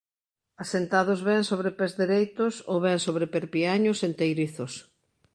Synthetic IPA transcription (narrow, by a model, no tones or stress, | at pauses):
asent̪aðʊzβɛŋsoβɾepɛzðeɾejt̪ʊsoβɛŋsoβɾepeɾpiaɲʊsent̪ejɾiθʊs